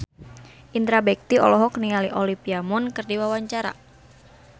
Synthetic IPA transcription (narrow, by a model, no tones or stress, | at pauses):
ʔind̪ɾabɛk̚t̪iɔ̰lɔɦɔknialiʔɔlipiamunkɨrdiwawaɲt͡ʃaɾa̰